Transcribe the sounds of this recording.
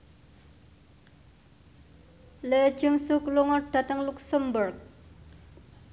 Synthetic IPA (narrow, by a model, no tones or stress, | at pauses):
le̥ʒ̥əŋsukluŋɔɖ̥a̤t̪əŋluksəmburk̚